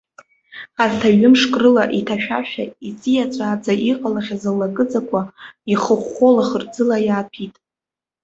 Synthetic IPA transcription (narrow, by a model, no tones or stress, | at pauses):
aztʰaɥʏmʂkʼrɨlaʔitʰaʃᶣa̰ʃᶣa̰it͡sʼijat͡sʷʼaːd͡zaʔiqʼalaχʲazalːakʼɨd͡zakʷʰaiχəχʷolaχərd͡zɨlajaːpʰitʼ